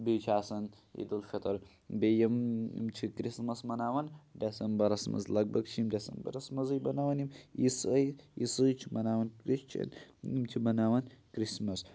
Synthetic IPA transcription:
bit͡ʃʰasɐn | ḛd̪ɨlfɐt̪ʰɐɾ | bejɐmḭmt͡ʃʰikɾismɐsmɐnawɐnd̪ɐsɐmbɐɾɐsmɐ̰zlɐk̚bɐkt͡ʃʰimd̪ɐsɐ̰mbɐ̰ɾɐsmɐzɨjbɐnawɐnimjisɨjisɨt͡ʃʰimɐnawɐnkɾist͡ʃʰɐ̰nimt͡ʃʰibɐnawɐnkɾismɐs

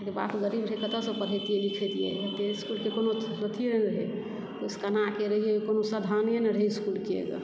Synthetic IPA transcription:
keba̰kʰuɡəɾibɾəɦekət̪əsə̃pəɽ̤ɦet̪ijelikʰet̪ijḛt̪eskulkekonoɾət̪ʰijeɾenɾɦḛ | k̪oskənakeɾəɦijekonosad̪ʱanjenəɾɦeskulkiḛɡə̰

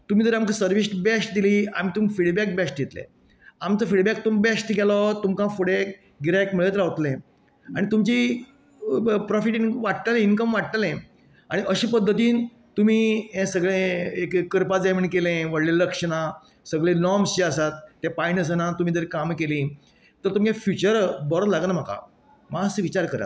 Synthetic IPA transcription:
t̪um̤id͡z̪əɾamkəsəɾʋisʈbɛsʈ̚d̪iliːam̤it̪umfiɽbɛk̚bɛsʈjet̪lḛ̃ | amt͡səfiɽbɛk̚t̪umbɛsʈkɛlɔt̪umkãfoɽek | ɡiɾaekmeɭət̪ɾaʋt̪lẽ | aɽ̃it̪umt͡ɕi | pɾɔfiʈinʋaʈʈalẽinkəmʋaʈ̚ʈalẽ | aɽ̃iʔəɕiːpəd̪ʱːət̪iːn | t̪um̤iːɦɛ̃səɡɭẽekkːəɾpad͡zamiɳkelẽʋəɽleləkʂəɽ̃a | səɡɭẽnɔmsiasat̪ːjapainəs̬ənãt̪um̤iːd̪əɾekamkelĩ | t̪əɾt̪umkẽfjut͡ɕəɾbɔɾət̪laɡənam̤aka̰ | masʋit͡ɕaɾkəɾa̰t̪

